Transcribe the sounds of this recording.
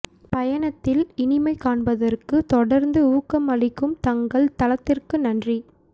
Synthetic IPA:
pɐjɐɳɐt̪ːɪlɪnɪmɐɪkaːɳbɐðɐrkɯt̪ɔɽɐɾnd̪ɯuːkɐmɐɭɪkːɯmt̪ɐŋɡɐɭt̪ɐlɐt̪ːɪrkɯnɐndri

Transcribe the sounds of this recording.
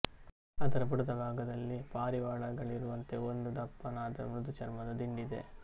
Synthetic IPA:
ɐd̪ɐɾɐbuɽɐd̪ɐbʱaːɡɐd̪ɐlːipaːɾiʋaːɭɐɡɐɭiɾuʋɐnt̪eond̪ud̪ɐpːɐnaːd̪ɐmɾud̪ut͡ʃɐɾmɐd̪ɐd̪iɳɖid̪e̞̰

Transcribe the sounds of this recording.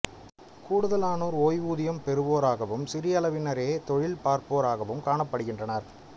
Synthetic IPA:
kuːɽɯðɐlaːnoːɾoːjʋuːðɪjɐmpɛɾɯʋoːɾaːɣɐʋɯmsɪɾɪjɐlɐʋɪnɐɾeːt̪ɔɻɪlpaːɾpoːɾaːɣɐʋɯmkaːɳɐpːɐɽɯɣɪndrɐnɐɾ

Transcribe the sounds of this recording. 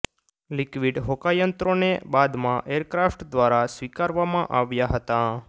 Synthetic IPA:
likʋiɖɦokajənt̪ɾonebad̪mãʔeɾkɾafʈd̪ʋaɾasʋikaɾʋamãʔaʋjaɦət̪a

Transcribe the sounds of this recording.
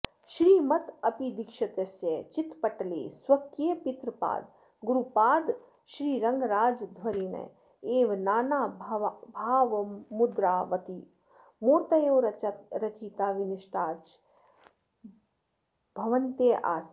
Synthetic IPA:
ʃɾiːmɐt̪ɐpid̪ikʃɐt̪ɐsjɐt͡ʃit̪pɐʈlḛːswɐkkjepit̪ɾpa̰ːd̪ | ɡuɾupaːd̪ | ʃɾiːɾɐŋɡɾaːd͡ʒd̪ʱʋɐɾiːnɐ̰ | eːʋnaːnaːbʱaːʋmud̪ɾaːʋɐt̪i | moːt̪ɐjoːɾɐt͡ʃiːt̪aːʋiniʃʈaːɾt͡ʃ | b̥ʱɐʋɐnt̪eːʔa̰ːs

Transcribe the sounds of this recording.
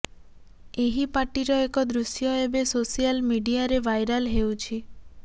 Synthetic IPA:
eɦipaʈiɾɔekɔd̪ɾusjɔebesosijalmiɖiaɾeʋajɾalɦewt͡ʃʰi

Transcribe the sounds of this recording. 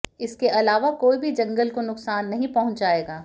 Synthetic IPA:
ɪskeʔɐlaːʋakoːibʱid͡ʒɐ̃ŋɡəlkonʊqsaːnːɐɦĩpɐɦʊ̃ɲt͡ʃd͡ʒaːeːɡaː

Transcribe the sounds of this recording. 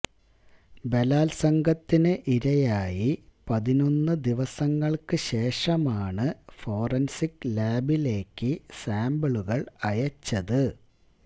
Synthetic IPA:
be̞laːlsɐŋɡʱɐt̪ːinɨʔiɾɐjaːjipɐðino̞nːɨd̪iʋɐsɐŋːɐɭkɨɕe̞ːʂɐmaːɳɨfo̞ːrɐnsikːlaːbile̞ːkːɨsaːmbɐɭuɣɐɭɐjɐt͡ɕːɐðɨ

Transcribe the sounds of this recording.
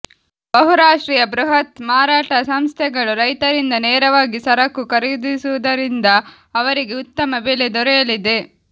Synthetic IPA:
bɐɦuɾaːʂʈɾiːjɐbɾuɦɐt̪maːɾaːʈɐsɐmst̪ʰɛɡɐɭuɾɐjt̪ɐɾind̪ɐneːɾɐʋaːɡisɐɾɐkːukɐɾɛjud̪isuʋud̪ɐɾind̪ɐː | ʋɐɾiɡe̞ut̪ːɐmɐbeːled̪ɔɾɛjɐlid̪e̞

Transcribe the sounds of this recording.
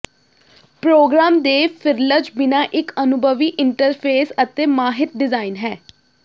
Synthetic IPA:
pɾoːɡɾaːmd̪eːpʰɪɾləd͡ʒbɪnaːʔɪkənʊbʱəʋiːʔɪɳʈəɾpʰeːsət̪eːmaːɦɪt̪̚ɖɪzaːɪnɦɛː

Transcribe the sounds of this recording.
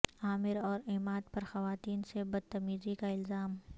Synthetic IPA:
aːmɪɾɔːɾeːmaːd̪pɐɾxɐʋaːt̪iːnsebɐd̪̚t̪ɐmiːzikaɪlzaːm

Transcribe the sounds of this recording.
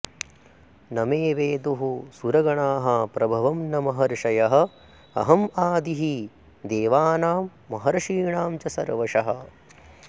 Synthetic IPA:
nɐmeːʋeːd̪uɦusuɾɐɡɐɳaːɦɐpɾɐbʱɐʋɐmnɐmɐɦɐɾʂɐjɐɦɐ̆ | ɐ̰ɦɐmaːd̪iɦi | d̪eːʋaːnaːmːɐɦɐɾɐʃiːɳaːmt͡ʃɐsɐɾʋɐʂɐɦɐ̆

